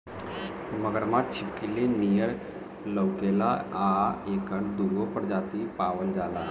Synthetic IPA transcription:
məɡəɾmat̚t͡ɕʰipkilinijəɾ | ləwkelaaekəɳd̪uɾʋopəɾd͡zat̪ipaʋəld͡zala

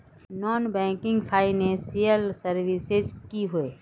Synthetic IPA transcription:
nɔːnbɛ̃ːŋkɪ̃ŋɡpʰaːinɛẽsijəlsəɾwisezkiɦʊeː

